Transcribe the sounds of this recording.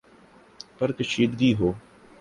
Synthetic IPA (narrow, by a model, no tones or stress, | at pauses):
pɐɾkəʃiːd̪ɡiːɦoː